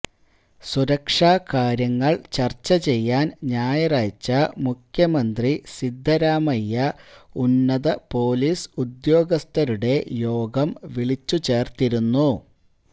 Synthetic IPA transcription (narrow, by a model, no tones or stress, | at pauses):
suɾɐkʂaːkaːɾjɐŋːɐɭt͡ɕɐrt͡ɕːɐt͡ɕe̞jːaːnɲaːjɐraːt͡ɕːɐmukʰjɐmɐnd̪risid̪ʱːɐɾaːmɐjːɐunːɐðɐpo̞ːliːsud̪jo̞ːɡɐst̪ɐɾuɽe̞jo̞ːɡɐmʋiɭit͡ɕːut͡ɕe̞ːrt̪iɾunːu